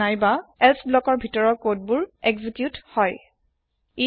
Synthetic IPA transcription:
ajbaɛlsʰblɔkɔɹbʱitɔɹɔkot̚bʊɹɛɡzikjuthɔj | i

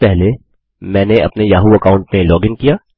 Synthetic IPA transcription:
pɛɦle | mɛ̃ːneɐpnejaːɦuɐkaːʊ̃ɳʈmẽlɔːɡɪ̃ŋkijaː

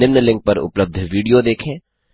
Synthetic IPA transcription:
ɪmnəlɪ̃ŋk̚pɐɾʊ̰pləb̚d̪ʱʋiːɖijod̪eːkʰẽː

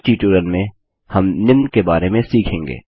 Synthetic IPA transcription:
ʈiːʈuːɾəlmẽ | hɐmnɪmnkebaːɾemẽsiːkʰẽːŋɡḛː

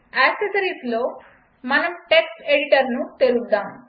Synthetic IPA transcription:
æsesəɾiːslo | manəmʈeksʈeɽiʈəɾnuːt̪eɾud̪ãm

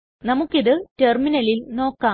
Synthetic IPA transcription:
nɐmukːiðɨterminɐlilno̞ːkːaː

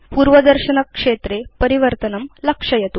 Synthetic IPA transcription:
puːɾʋɐd̪ɐɾɕɐnɐkʂet̪ɾepɐɾiʋɐɾt̪ɐnɐmlɐkʂɐjɐt̪u

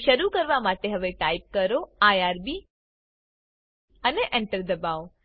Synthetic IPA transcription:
ʃəɾukəɾʋamaʈeɦəʋeʈaip̚kəɾoajaɾbi | əneʔɛ̃ɳʈəɾd̪əbao

